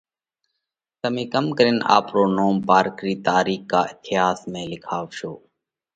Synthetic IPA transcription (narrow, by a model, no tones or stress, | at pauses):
t̪əmĩːkəmkəɾeːna̰ːpɾoːnoːmpaːɾkɾiːt̪aːɾiːkːaːɪt̪ʰɪjaːsmẽːlɪkʰaːʋʃoː